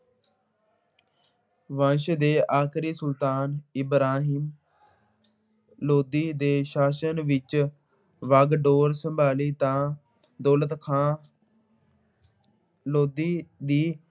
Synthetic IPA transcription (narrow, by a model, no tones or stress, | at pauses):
ʋãːʃd̪eːʔaːkʰɾiːsʊlt̪aːnɪbɾaːɦim | loːd̪iːd̪eːʃaːʃənʋɪt͡ʃ | ʋəɡɖoːɾsəmbaːliːt̪ãː | d̪ɔːlət̪kʰãː | loːd̪iːd̪iː